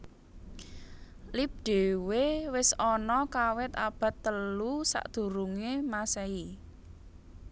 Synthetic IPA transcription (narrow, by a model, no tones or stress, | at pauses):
lip̚ɖ̪̥e̤wewɪsɔnɔkawɪt̪a̰b̥ä̤t̪ːəlusa̰ʔd̪̥ṳɾuŋemasɛi